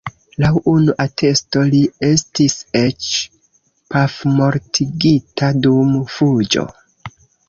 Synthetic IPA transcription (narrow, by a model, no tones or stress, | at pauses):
lawunuʔatʰe̞sto̞lie̞stise̞t͡ʃ | pafmo̞ɾtʰiɡitʰadumfud͡ʒo̞̰